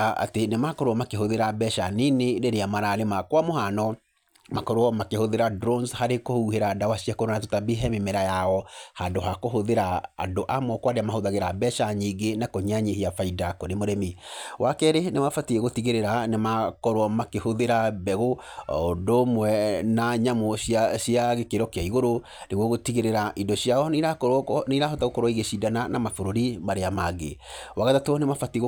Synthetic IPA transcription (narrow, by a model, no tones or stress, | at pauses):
aa̰tenemakɔɾwɔmakeɦoðeɾabɛʃaneneɾeɾeamaɾaɾemakwamohanɔ | makɔɾwɔmakehoðeɾadɾonshaɾekohuheɾadawaɕiakoɾonatotabeɦɛmimɛɾajaɔhandoɦakoɦoðeɾaa̰doʔamɔkwaɾeamahoðaɣeɾabɛʃaɲiɡenakoɲaɲehiafaidakɔnemoɾɛmiwʔakɛɾenemafatiɣeɣotiɣeɾeɾanemakɔɾwɔmakehoðeɾabɛɣoondomwɛnaɲamoɕjaɕjaɣekeɾɔkeaiɣoɾo | neɣwɔɣotiɣeɾeɾaʔindɔɕiaɔniɾaniɾahɔtaɣokɔɾwaiɣeʃidananamafoɾoɾimaɾeamaɡḛwaɣatatonemafatiɣo